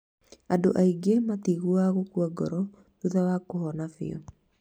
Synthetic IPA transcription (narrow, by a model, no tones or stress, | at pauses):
adoʔaiɡematiɣuaɣokuaɡɔɾɔ | tuðawakoɦɔnafḛɔ̰